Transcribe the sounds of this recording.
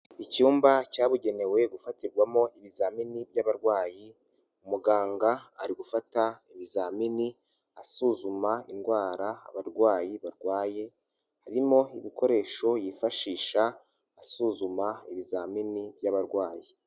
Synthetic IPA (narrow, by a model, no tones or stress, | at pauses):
icuːmbacaːβuɟe̞ne̞we̞ɡufatiɾɡwamo̞iβizaːminibjaβaɾɡwaːji | umuɡaːŋɡaa̰ɾiɡufataiβizamini | asuːzumainɡwaːɾaa̰βaɾɡwaːjiβaɾɡwaːje̞ | haɾimo̞iβiko̞ɾe̞ːʃo̞jiːfaʃiːʃaː | suːzumaiβizaminibjaβaɾɡwaːji